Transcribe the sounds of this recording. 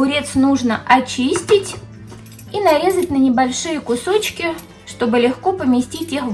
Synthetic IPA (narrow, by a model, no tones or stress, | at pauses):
ʊɾʲet̪snuʐnəʔɐt͡ɕisʲtʲɪtʲ | inɐɾʲe̞zətʲnənʲɪbɐlʲʂɨjəkʊso̞t͡ɕkʲɪ | ʂt̪o̞bɨlʲɪxko̞pəmʲɪsʲtʲitʲix